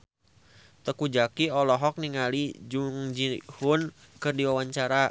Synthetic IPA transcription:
t̪əkud͡ʒakiɔlɔɦɔk̚niŋalid͡ʒuŋd͡ʒihun | kɨrdiwawaɲt͡ʃaɾa

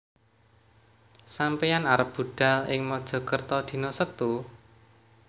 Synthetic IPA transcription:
sampejanaɾəp̚b̥ṳɖ̥a̤lɪŋmɔd̥ʒ̥ɔ̤kərt̪ɔd̪̥i̤nɔsət̪u

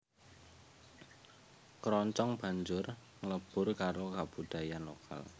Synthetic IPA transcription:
kɾɔɲt͡ʃɔŋb̥a̤ɲd͡ʒʊr | ŋləb̥ʊrkaɾokab̥ṳɖ̪̥a̤janlokʰa̰l

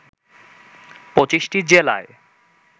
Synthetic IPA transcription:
pot͡ɕiʃʈid͡ʑela̰e

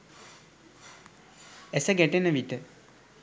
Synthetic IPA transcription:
esəɡɛʈenəʋiʈə

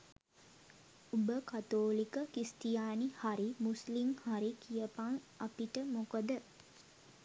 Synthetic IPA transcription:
ubəkat̪oːlikəkist̪ijaːnihaɾimusliŋhaɾikijəpaŋ | apiʈəmokəd̪ə

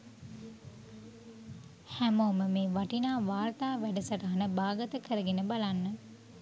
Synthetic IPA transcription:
hæmoːməmeːʋaʈinaːʋaːrt̪aːʋæɖəsəʈaɦanəbaːɡət̪əkʰəɾəɡenəbalanːə

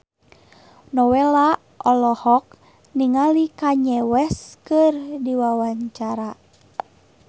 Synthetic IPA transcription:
nɔwɛla | ʔɔlɔhɔk̚ | niŋalikaɲɛwɛskɨrdiwawaɲt͡ʃaɾa

